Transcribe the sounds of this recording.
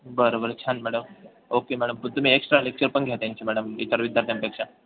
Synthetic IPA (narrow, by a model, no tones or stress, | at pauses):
bəɾobəɾt͡ɕʰanmæɽəm | okemæɽəmt̪um̤iːeksʈɾalek̚t͡ɕəɾpəɳɡʱjat̪jaɲt͡ɕimæɽəmit̪əɾʋid̪ʱjaɾt̪ʰjampekʂa